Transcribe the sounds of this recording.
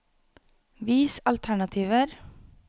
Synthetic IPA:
ʋiːsɑlt̪ʰæɳɑt̪ʰiːʋəɾ

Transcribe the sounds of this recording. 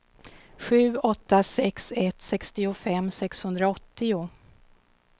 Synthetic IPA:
ɧʉ̟ːɔt̪ːasɛksɛt̪sɛkst̪ɪʊfɛmːsɛkshɵnd̪ɾaɔt̪ːɪʊ

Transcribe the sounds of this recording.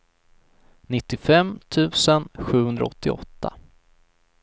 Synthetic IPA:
nɪt̪ːɪfɛmt̪ʰʉ̟ːsənɧʉ̟ːhɵnd̪ɾa̰ɔt̪ːɪɔ̰t̪ʰːa̰

